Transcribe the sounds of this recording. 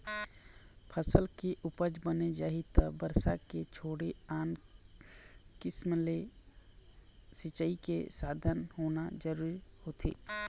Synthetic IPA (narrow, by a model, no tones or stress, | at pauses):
pʰəsəlkeʔʊpəd͡ʒbəned͡ʒaːit̪əbəɾsaket͡ʃʰoːɽeaːn | kɪsmle | sɪt͡ʃəikḛsaːd̪ʱənɦoːnad͡ʒəɾuːɾihoːt̪ʰḛː